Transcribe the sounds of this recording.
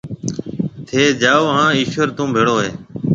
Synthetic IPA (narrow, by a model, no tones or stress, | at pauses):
t̪ʰeːd͡ʒaːoːɦãːiːʃʋəɾt̪ũːbʱeːɽoːɦeː